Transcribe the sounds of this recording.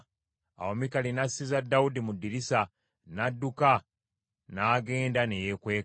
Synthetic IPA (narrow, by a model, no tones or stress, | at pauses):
a̰omikalinasːizadːaudimudːiɾisa | nadːuka | naːɡe̞ːndanejekwe̞ː